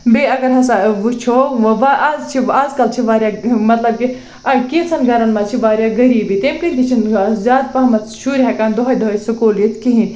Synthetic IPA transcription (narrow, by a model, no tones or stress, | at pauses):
beɐɡɐɾɦɐsaʋut͡ʃʰoːʋaʔaːzt͡ʃʰiaːzkɐlt͡ʃʰiʋaːɾʲjaːmɐt̪lɐb̚ki | kit͡sʰɐnɡɐɾɐnmat͡ʃʰiʋaːɾʲjaːɡɐɾiːbit̪emkɨnʲt̪it͡ʃʰinzʲaːd̪̚paːmɐt̪ʃuːɾɦɛkaːnd̪oɦɐjd̪oɦɐjsɨkoːljit̪kiɦĩn